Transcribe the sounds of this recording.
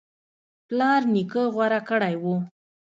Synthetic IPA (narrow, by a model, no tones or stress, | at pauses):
plɑɾnikəɣwaɾakəɽajwu